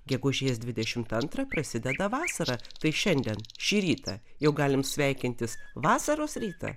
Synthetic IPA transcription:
ɡʲɛɡʊʒʲeːsd̪ʲʋʲɪd̪ʲɛʃʲɪmt̪ɐnt̪ɾɐpɾɐsʲɪd̪ʲɛd̪ɐʋɑːsɐɾɐt̪ɐɪʃʲɛnʲd̪ʲɛnʃʲiːɾʲiːt̪ɐjɛʊɡɑːlʲɪmsʲʋʲɛɪkʲɪnʲt̪ʲɪsʋɑːsɐɾoːsɾʲiːt̪ɐ̰

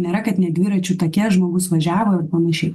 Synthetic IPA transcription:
nʲeɾɐkɐt̪nʲɛd̪ʲʋʲiːɾɐt͡ʃʲuːt̪oːkʲɛʒmoːɡʊsʋɐʒʲæːʋoːɪrpɐnɐʃʲɛɪ

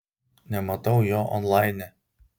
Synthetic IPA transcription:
nʲɛmɐt̪ɐʊjoːʔɔ̰nlˠɑɪnʲɛ

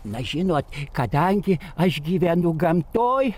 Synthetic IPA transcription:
nɐʒʲɪnoːt̪kɐd̪ɐŋʲɡʲɪɐʃɡʲiːʋʲɛnʊɡɐmt̪oːj

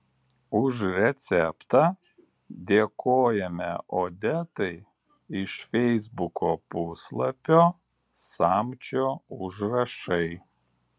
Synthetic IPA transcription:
ʊʃɾʲɛt̪sʲɛpt̪ɑ | d̪ʲeːkoːjɛmʲɛʔoːd̪ʲɛt̪ɐɪ | ɪʃfʲɛɪzbʊkʰoːpʊslˠɐpʲoː | sɑːmʲt͡ʃʲoːʊʒɾɐʃɐɪ

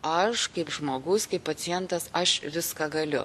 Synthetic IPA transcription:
ɐʃkɐɪpʒmoːɡʊskɐɪppːɐt͡s̪ʲɪjɛnt̪ɐsɐʃʋʲɪskɐːɡɐlʲʊ̰

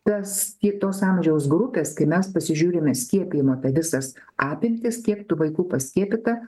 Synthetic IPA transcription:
t̪ɐst̪ʲiɛt̪oːsɑːmʲʒʲɛʊsɡɾʊpʲeːskɐɪmʲɛspɐsʲɪʒʲuːɾʲemʲɛsʲkʲiɛpʲɪjɪmoːt̪ɐʋʲɪsɐsʔɑːpʲɪmʲt̪ʲɪskʲiɛkt̪ʊʋɐɪkuːpɐsʲkʲiɛpʲɪt̪ɐ

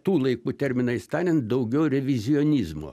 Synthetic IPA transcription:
t̪uːlˠɐɪkuːt̪ʲɛɾʲmʲɪnɐɪst̪ɑːnʲɛnt̪̚d̪ɐʊɡʲɛʊɾʲɛʋʲɪzʲɪoːnʲizmo̰ː

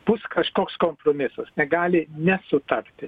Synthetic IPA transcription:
b̥ʊskɐʃkoːkskoːmpɾomʲɪsɐsnʲɛɡɑːlʲɪnʲɛsʊt̪ɐrʲt̪ʲɪ

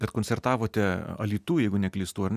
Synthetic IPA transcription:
kɐt̪koːnʲsʲɛrt̪ɑːʋoːt̪ʲɛɐ̰lʲiːt̪uːjɛɪɡʊnʲɛklʲɪːst̪uːɐrnʲ

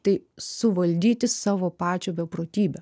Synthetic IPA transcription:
t̪ɐɪsʊʋɐlʲd̪ʲiːt̪ʲɪsɑːʋoːpɑːt͡ʃʲoːbʲɛpɾoːt̪ʲiːbʲɛ

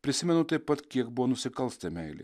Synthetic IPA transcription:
pʲɾʲɪsʲɪmʲɛnʊt̪ɐɪppːɐt̪kʲiɛk̚bʊʋonʊsʲɪkɐlˠst̪ʲɐmʲɛɪlʲɪ̰

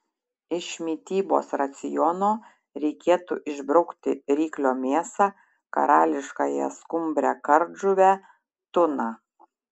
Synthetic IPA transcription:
ɪʃmʲiːt̪ʲiːbo̰ːsɾɐt̪sʲɪjɔnoː | ɾʲɛɪkʲeːt̪ṵːʔɪʒbɾɒʊkt̪ʲɪɾʲiːklʲoːmʲeːsɑː | kɐ̰ɾɑːlʲɪʃkɑːjɛ̰skʊmʲbʲɾʲɛkɐɾʒʊʋʲæ | t̪ʊnɑː

